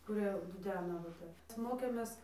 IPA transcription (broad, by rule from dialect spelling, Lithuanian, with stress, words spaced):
kʊˈrʲiɛ dʊˈdʲæːnɐ ʋɐ ˈtʲɛp ˈmoːkʲeːmʲeːs